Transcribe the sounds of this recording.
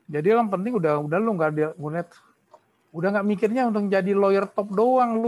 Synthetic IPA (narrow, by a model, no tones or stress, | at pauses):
d͡ʒadilaŋpənt̪̬ɪŋudaudahluŋɡadiŋunɛt̪ | udaŋɡaʔmikɪrɲaunt̪ʊk̚d͡ʒadilojərt̪ɔp̚doaŋlu